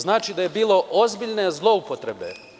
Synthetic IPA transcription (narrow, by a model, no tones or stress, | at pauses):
znaːt͡ʃid̪aje̞biːlˠo̞ʔozbiʎne̞zlˠo̞upo̞t̪ɾe̞be̞̰